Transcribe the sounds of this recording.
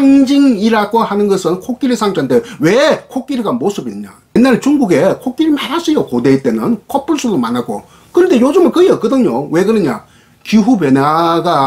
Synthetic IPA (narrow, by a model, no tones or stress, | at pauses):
aŋd͡ʑiŋiɾaɡohanɯnɡʌsʰɯnkʰok͈iɾɯsʰaŋd͡ʑ͈andewe̞kʰok͈iɾiɡamosʰɯbiɲɲa̰jenːaɭt͡ɕuŋɡuɡe̞kʰok͈iɾimaɾasʰɯjokodeit͈e̞nɯnkop͈uɭs͈ʰudomanaɡo̰ | kɯɾʌnde̞jod͡ʑɯmɯkɯjekɯdɯŋɲowe̞ɡɯɾɯɲa | kuɦupjenaɡa